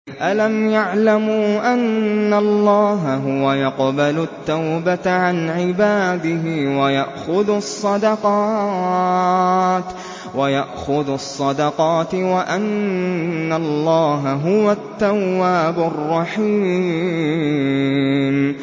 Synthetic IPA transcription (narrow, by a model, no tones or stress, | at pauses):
ʔalamjaʕlamuːʔanːalˤːɑːɦaɦʊwajɑqbalʊt̪ːawbat̪ʕanʕɪbaːd̪ɪɦɪwajaʔxʊðsˤːɑd̪ɑqɑ | t̪ | wajaʔxʊðʊsˤːɑd̪ɑqɑːt̪waʔanː | alːɑːɦaɦʊwat̪ːawːaːbʊrˤːɑħiː | m